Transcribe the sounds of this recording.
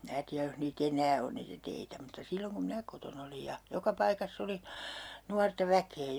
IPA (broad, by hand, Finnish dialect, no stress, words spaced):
mĭnæ tiæj joh niːt enæː on niːtæ teitæ mutːɑ silːoŋ kum minæ koton olij jɑ jokɑ pɑikɑsː oli nuɑrtɑ ʋækeː